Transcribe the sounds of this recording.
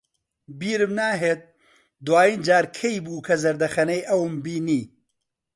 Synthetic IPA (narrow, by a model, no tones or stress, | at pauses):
biːɾɨmnaːɦeːt̪̚ | d̪waːjiːnd͡ʒaːɾkʰejbuːkʰɐzɐɾd̪ɐxɐnɐjʔɐwmbiːniː